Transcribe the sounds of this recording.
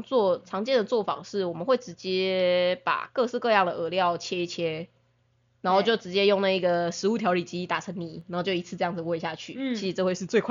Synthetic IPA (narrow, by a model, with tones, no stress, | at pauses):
t͡swɔ˥˩ʈ͡ʂʰɑ˧˥ŋt͡ɕjɛ˥˩nd̪ə˩t͡swɔ˥˩fɑ̰˨˩ŋʂɻ̩˥˩wɔ˨˩mə˨nxwe˥˩ɪʈ͡ʂɻ̩˧˥t͡ɕjɛ˥pa̰˨˩kɤ˥˧ʂɻ̩˥˧kɤ˥˧jɑ˥˩ŋd̪ə˩ə˧˥ljɑ˥˨ʊt͡ɕʰjɛ˥i˥˩t͡ɕʰjɛ˦ | na˧˥ŋxo˥˧ʊt͡ɕjo˥˩ʊʈ͡ʂɻ̩˧˥t͡ɕjɛ˦˥jo˥˧ŋna˥˩i˧˥ɡə˨ʂɻ̩˧˥u˧˩t̪ʰjɑ˧˥ʊli˨˩t͡ɕi˥˧t̪a˨˩ʈ͡ʂʰə˧˦ŋni˨˩˦na˨˥xo˥˧t͡ɕo˥˩ʊi˧˥t͡sʰɹ̩˥˧ʈ͡ʂɤ˥˧jɑ˥˩ŋd͡z̩˨˩we˥˧ɪ˧ɕja˥˧t͡ɕʰy˥˩t͡ɕʰi˧˦˥ʂɻ̩˨˩ʈ͡ʂɤ˥˧we˥˧ʂɻ̩˥˧t͡swe˥˧ɪkʰ